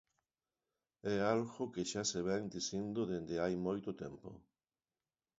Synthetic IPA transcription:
ɛalɣʊkeʃaseβɛŋd̪isind̪ʊðend̪eajmojt̪ʊt̪ɛmpʊ̰

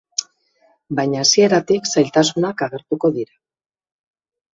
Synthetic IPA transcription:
baɲaːsie̞ɾat̪iksajlt̪asunakaɣ̞e̞ɾt̪uko̞ðiɾa

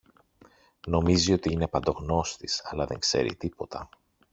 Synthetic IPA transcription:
no̞mizio̞t̪iine̞pɐnd̪o̞ɣno̞st̪isɐlɐðe̞ŋkse̞̰ɾḭt̪ipo̞t̪ʰɐ

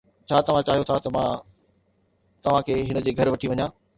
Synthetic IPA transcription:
t͡ɕʰaːt̪ɐʋ̤ãt͡ɕaːɦijot̪ʰat̪ɐmã | t̪ɐʋ̤ãkʰeːɦɪnəd͡ʑeːɡʱɐɾʋɐʈʰiʋɐɲãː

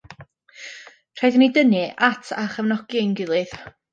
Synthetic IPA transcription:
r̥ajðnidənɨʔatʰa̰χəvnɔɡ̥inɡɪlˠɨð̥

